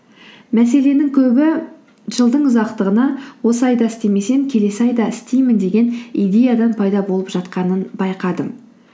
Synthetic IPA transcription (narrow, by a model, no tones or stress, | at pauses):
mæse̞le̞nɪŋkʲʰɵbɪ | ʒəlˠd̪əɴʊzɑqt̪əʁənɑwo̞səɑjd̪ɑɪst̪e̞me̞se̞ŋkʲʰe̞le̞sɪɑjd̪ɑɪst̪ejmɪnd̪e̞ɡʲe̞nijd̪e̞jad̪ɑnpʰɑjd̪ɑbo̞lˠəpʒ̥ɑt̪qɑnənbɑjqɑd̪əm